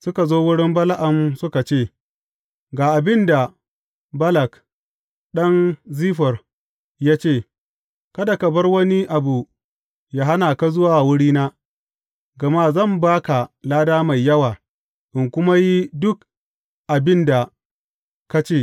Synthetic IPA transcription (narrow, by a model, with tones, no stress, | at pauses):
sʊ˦ka˨zoː˦wʊ˦ɽɪ˦mbɐ˦la˦ʔɐ˨msʊ˦ka˨t͡ʃeː˦˨ | ɡaː˨ʔa˨bɪ˦nda˨ | bɐ˦lɐ˨k | ɗɐ˦nziː˦ɸɐ˨r | jaː˦t͡ʃeː˦˨ | kɐ˦da˨kɐ˨bɐ˦rwɐ˦ni˦ʔa˨bu˨ | jaː˨ɦa˦naː˨ka˦zʊ˦waː˨wʊ˦ɽiː˦naː˦ | ɡɐ˨ma˦˨zɐ˦˨mbaː˦ka˨laː˦daː˦ma˨jːɐ˦waː˨ | ʔɪ˨ŋkʷʊ˦ma˦ji˦dʊ˦k̚ | ʔa˨bɪ˦nda˨ | ka˦t͡ʃeː˦˨